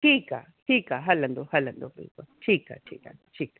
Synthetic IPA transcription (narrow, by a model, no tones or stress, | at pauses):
tika | hikaɦaland̪ohaland̪opḭkʷat͡ʃika̰t͡ʃḭka̰nd̪ot͡ʃikḁ